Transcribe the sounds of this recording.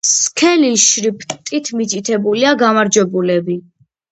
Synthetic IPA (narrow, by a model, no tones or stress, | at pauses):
skʰɛliʃɾipʼʰt̪ʼit̪ʰmit͡ʃʼit̪ʰɛbuliaɡamaɾd͡ʒwɛbulɛbi